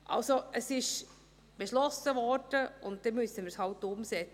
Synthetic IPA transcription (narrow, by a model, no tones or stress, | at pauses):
ʔɑ̰lsoəsɪʃ | b̥eʃlɔsəvɔɾd̥əʊnt̚d̥ɛmysəmɪɾshɑltːʊmsɛt͡s